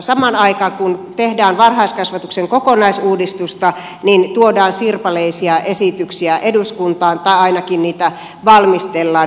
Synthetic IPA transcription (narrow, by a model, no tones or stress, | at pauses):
sɑmɑnɑikɑkunt̪ehdæːnʋɑrhɑiskɑsʋɑt̪ukseŋkokonɑisuːdist̪ust̪ɑ | nint̪uodɑːnsirpɑleisiɑʔesit̪yksiæʔeduskunt̪ɑːnt̪ɑiɑinɑkinniːt̪æ | ʋɑlmist̪elːɑː